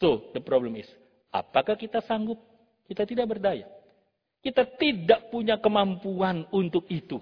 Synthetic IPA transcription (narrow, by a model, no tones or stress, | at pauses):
sodəpɾobləmis | a̰pakahkit̪asaŋɡʊp̚ | kit̪at̪idak̚bərdaja̰ | kit̪at̪idaʔpuɲakəmampuanunt̪ʊkit̪u